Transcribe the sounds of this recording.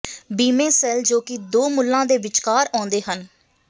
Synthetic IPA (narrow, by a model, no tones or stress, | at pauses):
biːmẽːsɛːld͡ʒoːkɪd̪oːmʊlːãːd̪eːʋɪt͡ʃkaːɾãːnd̪eːɦən